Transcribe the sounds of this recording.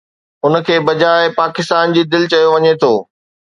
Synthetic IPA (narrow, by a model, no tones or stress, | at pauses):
ʊn̆kʰeːbɐd͡ʑaːɪpaːkɪst̪aːnd͡ʑiːd̪ɪlɪt͡ɕɐjoʋɐɲet̪ʰoː